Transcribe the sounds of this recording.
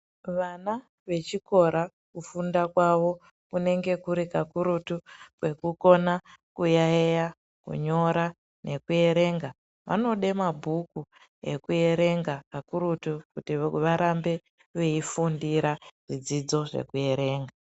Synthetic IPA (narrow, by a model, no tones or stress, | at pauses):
ʋana | ʋe̞t͡ʃiko̞ɾa | kufundakwaʋo̞ | kune̞ŋɡe̞kuɾikakuɾutukwe̞kuko̞nakujaeja | kṵɲo̞ɾa | nʔe̞kue̞ɾe̞ːŋɡa | ʋa̰no̞ɗe̞mabʱuku | e̞̰kue̞ɾe̞ŋɡakakuɾutukutiʋaɾambe̞ | ʋeifundiɾaʐ̥id͡zid͡zo̞ʐe̞̰kuje̞ɾe̞ːŋɡa